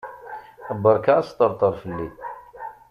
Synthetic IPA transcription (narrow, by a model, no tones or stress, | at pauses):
əbːəɾˤkast̪ˤəɾˤt̪ˤəɾˤfəlːi